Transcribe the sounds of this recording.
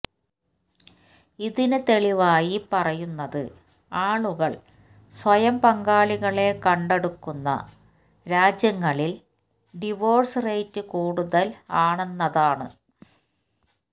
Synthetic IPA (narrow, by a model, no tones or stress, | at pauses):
iðinɨt̪e̞ɭiʋaːjipɐrɐjunːɐðɨ̰ | aːɭuɣɐɭ | swɐjɐmpɐŋɡaːɭiɣɐɭe̞kɐɳɖe̞ɽukːunːɐ̰ | ɾaːd͡ʑjɐŋːɐɭil | ɖiʋo̞ːrsrejtːɨkuːɽuðɐlaːɳenːɐðaːɳɨ